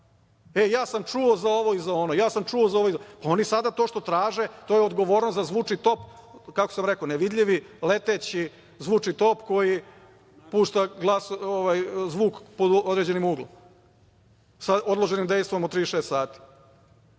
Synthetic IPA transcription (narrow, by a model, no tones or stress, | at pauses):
e̞jaːsamt͡ʂuozao̞ʋo̞izaonojaːsamt͡ʃuozao̞ʋoizpao̞nisad̪at̪o̞ːʃt̪ot̪ɾaːʒet̪o̞jeod̪ɡo̞ʋo̞ːɾnost̪zazʋuːt͡ʂit̪o̞pkakosamɾekoneʋid̪ʎʲiʋilet̪et͡ɕi | zʋuːt͡ʂit̪o̞pko̞ji | puːʃt̪aɡlˠasoʋajzʋuːkpod̪od̪ɾed͡ʑe̞nimuːɡlˠom | sao̞d̪lˠo̞ʒe̞nimd̪e̞jst̪o̞mot̪t̪ɾiːʃeːst̪saːt̪i̥